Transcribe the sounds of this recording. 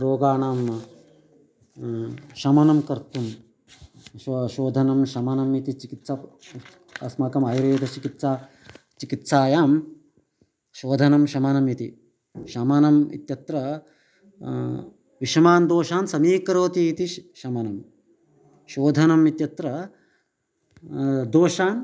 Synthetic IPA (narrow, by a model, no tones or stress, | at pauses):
ɾoːɡaːnaːm | ʃɐmɐnɐmkɐɾt̪um | ʃʃoːd̪ʱɐnɐmʃɐmɐnɐmit̪it͡ʃikit̪sa | ɐsmaːkɐmaːjɾejd̪ɐt͡ʃikit̪saː | t͡ʃikit̪saːjaːm | ʃoːd̪ʱɐnɐmʃɐmɐnɐmit̪i | ʃɐmɐnɐmḭt̪jɐt̪ɾɐ | ʋiʃɐmaːnd̪oːʃaːnsɐmiːkɐɾoːt̪iːt̪iʃɐmɐnɐm | ʃoːd̪ʱɐnɐmit̪jɐt̪ɾɐ | d̪oːʃaːn